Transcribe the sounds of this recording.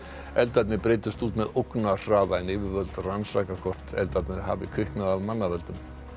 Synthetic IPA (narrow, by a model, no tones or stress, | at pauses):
ɛlt̪at̪nɪpɾeːjt̪ʏst̪uːt̪mɛðowknar̥aːðajɪnɪːvɪɾvœlt̪ransɾajkakʰɔr̥t̪ɛ̰lt̪at̪nɪɦa̰vɪkʰʏhknaðavmanːavœlt̪ʏm